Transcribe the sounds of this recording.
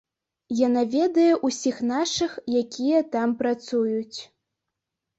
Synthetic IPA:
janavʲɛd̪ɐjɛʔusʲixnaʂɨxjakʲijɐt̪ampɾat̪sujut͡sʲ

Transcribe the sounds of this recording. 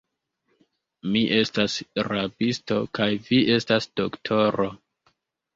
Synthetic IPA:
miʔe̞stasɾabisto̞kajviʔe̞stasd̥oktʰo̞ɾo̞

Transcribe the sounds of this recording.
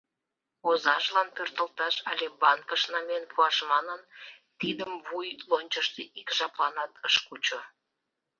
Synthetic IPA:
ozɑʒlɑnpørt̪əlt̪ɑʃɑlʲebɑnkəʃnɑmenpʰuɑʃmɑnən | t̪id̪əmβujlonʲt͡ɕəʃt̪eʔikʒɑplɑnɑt̪əʃkut͡ɕo

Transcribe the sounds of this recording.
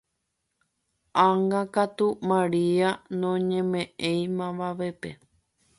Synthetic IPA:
ʔãŋɡãkat̪umãɾianõɲẽ̞mẽʔẽj̃mãʋaʋe̞pe

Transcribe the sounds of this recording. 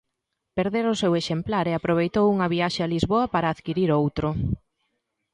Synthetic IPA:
peɾðeɾʊseweʃemplaɾeapɾoβ̞ejt̪owuŋɐβiaʃealizβoɐpaɾaːðkiɾiɾowt̪ɾʊ

